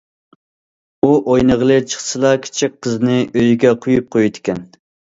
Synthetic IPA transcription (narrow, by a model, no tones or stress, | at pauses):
uʔojnəʁlˠɨt͡ʃʰə̥χsɨlˠɑkʲʰɪ̥t͡ʃʰik̚ʲqʰːəznɨʔøjɡʲɛqʰojup̚qʰojud̪ɪkʲɛn